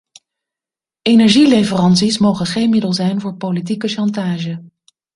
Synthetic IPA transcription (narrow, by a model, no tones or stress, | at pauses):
ejnɛɹʒilejvərɑnsismowχəχejnmɪdəlˠzɛjnvʊːɹpolit̬ikəʃɑntaːʒə